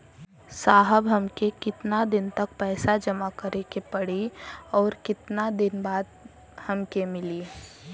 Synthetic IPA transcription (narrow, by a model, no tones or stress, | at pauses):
saːɦəbɦəmkekɪt̪nad̪ɪnt̪ɐk̚pɛːsad͡ʒəmakəɾekepɐɽiɔːɾkɪt̪nad̪ɪnbaːd̪ | hɐmkemɪliː